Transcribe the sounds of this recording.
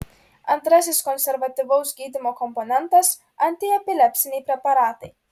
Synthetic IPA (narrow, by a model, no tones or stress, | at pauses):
ɐnt̪ɾɐsʲɪskɔnʲsʲɛɾʋɐt̪ʲɪʋɐʊsɡʲiːd̪ʲɪmoːkɔmpɔnʲɛnˑt̪ɐs | ɐnʲt̪ʲɪɛpʲɪlʲɛpʲsʲɪnʲɛɪpʲɾʲɛpɐɾɑːt̪ɐɪ